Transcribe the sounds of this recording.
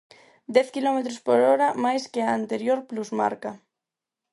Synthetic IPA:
d̪ɛθkilomet̪ɾospoɾoɾamajskeaant̪eɾjoɾpluzma̰ɾka

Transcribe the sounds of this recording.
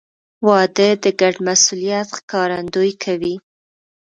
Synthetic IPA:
wɑd̪əd̪əɡaɖmasulijat̪xkɑɾand̪ojkʰawi

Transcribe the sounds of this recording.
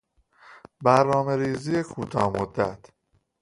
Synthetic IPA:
bæɾnɒːme̞ɾiːzijekʰuːt̪ʰɒːhmod̪ːæt̪ʰ

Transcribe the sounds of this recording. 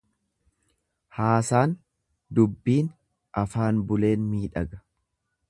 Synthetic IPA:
haːsaːn | d̪ʊbːiːn | ʔɐfaːnbʊle̞ːnmiːᶑɐɡɐ̥

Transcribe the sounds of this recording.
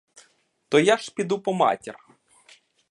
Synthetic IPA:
t̪ɔjaʃpʲid̪upɔmɑ̰tʲir

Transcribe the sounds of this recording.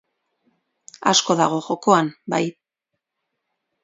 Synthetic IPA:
a̰sko̞ðaɣ̞o̞ʝo̞ko̞anbaj

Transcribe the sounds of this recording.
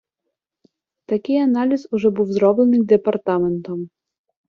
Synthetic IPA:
t̪akʲianalʲizuʐɔbɨwzɾɔblˠɛnɨd̪ɛpart̪amɛnt̪ɔm

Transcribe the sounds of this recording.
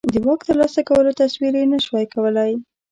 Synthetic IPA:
d̪əwɑkt̪əɾlɑsakawəlot̪aswiɾenaʃwɑjkawəlaj

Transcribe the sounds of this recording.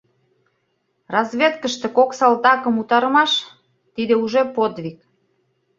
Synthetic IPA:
rɑzβʲet̪kəʃt̪ĕkoksɑlt̪ɑkə̆mut̪ɑɾəmɑʃ | t̪id̪euʒepod̪βʲik̚

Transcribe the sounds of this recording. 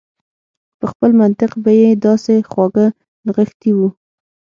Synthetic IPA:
pəxpəlmant̪ɪqbajed̪ɑsexwɑɡə | nɣəxt̪iwu

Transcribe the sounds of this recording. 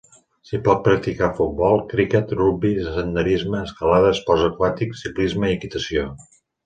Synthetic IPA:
sipɔt̪̚pɾək̚t̪ikafut̪̚bɔlˠkɾikət̪rubizəsənd̪əɾizməːskəlaðəspɔzəkwat̪iksiklizməiəkit̪əsio

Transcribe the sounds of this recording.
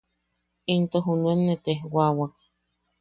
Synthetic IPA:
int̪oɦunuenːet̪eɦwawak̚

